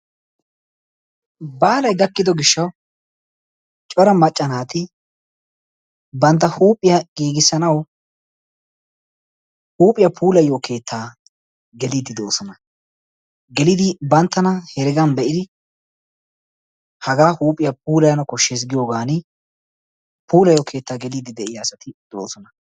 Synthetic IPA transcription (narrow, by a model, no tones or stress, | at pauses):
baːlɐjɡɐkːɪd̪ɔɡɪʃːɐw | t͡ʃʼɔɾɐmɐt͡ʃʼːɐnaːt̪ɪ | bɐnt̪ːɐhuːpʼːɪjɐɡ̥iːɡɪsːɐnɐw | huːpʼɪjɐpʰuːlɐjːoːkʰe̞ːt̪ʰːaː | ɡɛliːd̪ɪd̪o̞ːsɔnɐ | ɡɛlɪd̪ɪbɐnt̪ːɐnɐhɛɾɪɡɐnbɛʔɪd̪ɪ | hɐɡaːhuːpʼɪjɐp̚ʰuːlɐjɐnɐkɔʃːes̬ɡɪjo̞ːɡaːnɪ | puːlɐjoːkʰe̞ːt̪ːaːɡɛliːd̪ɪd̪ɛʔɪjaːsɐt̪ɪd̪o̰ːsɔnɐ